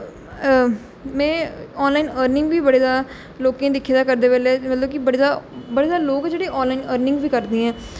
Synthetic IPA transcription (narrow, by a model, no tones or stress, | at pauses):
mɛ̃ːɔːnlaːiːnəːɾnɪ̃ŋɡʋiːbəɽeːzaː | loːkãːd̪ɪkʰːeːd̪aːkəɾd̪eːbɛːleːmət̪ləbkɪbəɽeːzaːbəɽeːzaːloːkɛd͡ʒeːɽeːʔɔːnlaːinəːɾnɪ̃ŋɡʋiːkəɾd̪eːɛ̃ː